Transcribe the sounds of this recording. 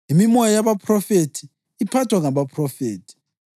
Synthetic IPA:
imimɔjajaβapʰrɔfetʰiː | pʰatʰwaŋaβapʰrɔfeːtʰi̥

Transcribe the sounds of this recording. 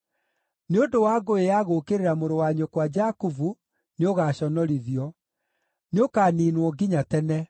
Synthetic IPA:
neondowaːɡoejaɣokeɾeɾamoɾowaɲokwad͡ʒakuvu | neoɣaːɕɔnɔɾiðiɔ | neokaːniːnwɔɡiɲatɛnɛ

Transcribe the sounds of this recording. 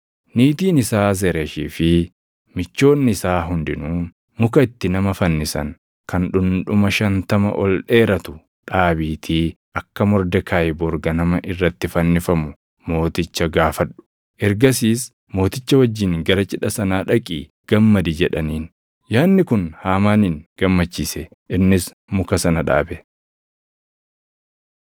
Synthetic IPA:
niːt̪iːnɪsaːz̬ɛɾeʃiːfɪ | mɪt͡ʃːo̞ːnːɪɪsaːɦʊnd̪ɪnuː | mʊkɐɪt̪ːɪnɐmɐfɐnːɪsɐ̰ŋ | kʰɐnᶑʊnᶑʊmɐʃɐnt̪ɐmɐ̰ʔɔlᶑe̞ːɾɐt̪ʊ | ᶑaːbiːt̪ʰiː | ʔɐkːɐmɔɾd̪ɛkʰaːjbɔɾɡɐnɐmɐʔɪrːɐt̪ːɪfɐnːɪfɐmʊ | mo̞ːt̪ɪt͡ʃːɐɡaːfɐᶑːʊ̥ | ʔɛɾɡɐsiːs | mo̞ːt̪ɪt͡ʃːɐwɐd͡ʒːɪŋɡɐɾɐt͡ʃʼɪᶑɐsɐnaːᶑɐkʼiː | ɡ̥ɐmːɐd̪id͡ʒɛᶑɐniːn | jaːnːɪkʊnhaːmaːninɡ̥ɐmːɐt͡ʃːiːsɛ | ɪnːɪs | mʊkɐsɐnɐᶑa̰ːbɛ

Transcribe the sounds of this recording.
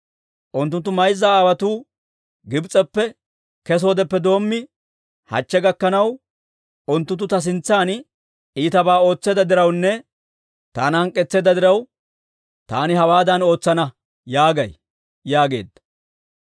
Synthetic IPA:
ʔʊnt̪ːʊnt̪̬ːʊmɐjzːaːaːwɐt̪uː | ɡɪbt͡sʼːɛpːɛ | kɛs̬o̞ːd̪ɛpːɛd̪o̞ːmːɪ | hɐ̰t͡ʃːɛɡɐkːɐnɐw | ʊnt̪ːʊt̪ːʊt̪ɐs̬ɪnt͡sːaːn | ʔiːt̪ɐbaːo̞ːt͡sːɛːd̪ɐd̪ɪɾɐwnːɛ | t̪a̰ːnhɐŋkʼːɛt͡sːeːd̪ɐd̪ɪɾɐw | t̪a̰ːnɪɦɐwaːd̪ɐno̞ːt͡sːɐnɐ | jaːɡɐj | jaːɡe̞̰ːd̪ːɐ̥

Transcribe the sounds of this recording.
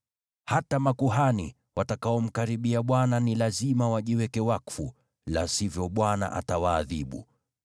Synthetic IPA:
hatamakuɦanḭ | watakaɔm̩kaɾiɓiaɓwananilazimawaʄiwɛkɛwakfṵ | lasivjɔɓwana̰ʔa̰tawaːðiɓṵ

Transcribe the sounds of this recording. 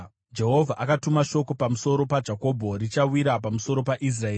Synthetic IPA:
d͡ʒe̞ɦo̞vʱaʔakatumaʃo̞ko̞pamuso̞ɾo̞pad͡ʒako̞ːbʱo̞ɾit͡ʃawiɾap̬amuso̞ɾo̞paʔis̬raeː

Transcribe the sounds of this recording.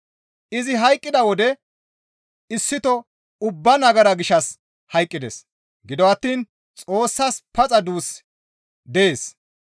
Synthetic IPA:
ɪzɪɦɐjkʼːɪd̪ɐwɔd̪ɛ | ɪsːɪt̪ɔ | ʊbːɐnɐɡɐɾɐɡɪʃɐs | hɐjkʼːɪd̪es | ɡɪd̪ɔɐt̪ːiːn | t͡sʼo̞ːsːɐspɐt͡sʼɐd̪uːs | d̪ɛeːs

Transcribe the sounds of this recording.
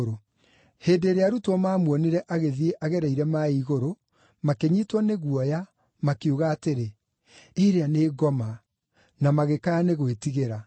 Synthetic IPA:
ɾo | heːdeːɾeaɾutwɔmaːmwɔneɾɛʔaɣeðieʔaɣɛɾaiɾɛmaiɣoɾo | makeɲiːtwɔneɣwɔja | makeuɣaːteɾe | eɾeaneːɡɔma | namaɣekaaneɣwetiɣeɾa

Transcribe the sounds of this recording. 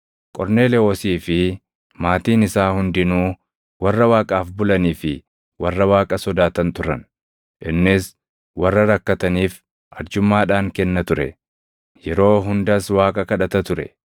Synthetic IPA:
kʼɔɾne̞ːlɛosiːfɪ | maːt̪iːnɪsaːhʊnd̪ɪnuː | wɐrːɐwaːkʼaːfbʊlɐniːfɪ | wɐrːɐwaːkʼɐsɔd̪aːt̪ɐnt̪ʊɾɐn | ʔɪnːɪs | wɐrːɐɾɐkːɐt̪ɐniːf | ʔɐɾd͡ʒʊmːaːᶑaːŋkɛnːɐt̪ʊɾɛ̰ | jɛɾo̞ːɦʊnd̪ɐswaːkʼɐkɐᶑɐt̪ɐt̪ʊɾɛ̰

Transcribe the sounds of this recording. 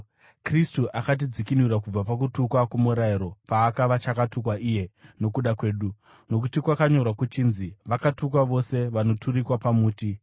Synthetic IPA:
kristuʔakat̬id͡zikinuɾakub͡vapak̬utukwakumuɾaiɾo̞paːkaʋat͡ʃakatukwaʔiːje̞no̞kuɗakwe̞ːɗu | no̞k̬utikwakaɲo̞rwakut͡ʃiːnziʋakatuk̬waʋo̞se̞ʋano̞tʰuɾikwapamuːti

